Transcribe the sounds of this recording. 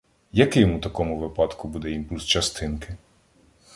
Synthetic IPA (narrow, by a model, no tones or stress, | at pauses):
jɐkɪjmut̪ɐkɔmʊʋɪpɑd̪kʊbud̪ɛimpulʲst͡ʃɐst̪ɪnkɪ